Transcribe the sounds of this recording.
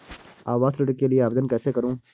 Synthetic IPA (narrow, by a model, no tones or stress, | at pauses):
a̰ːʋaːst̪ləʈəkːelieaːbd̪ənkɛːsekəɾũː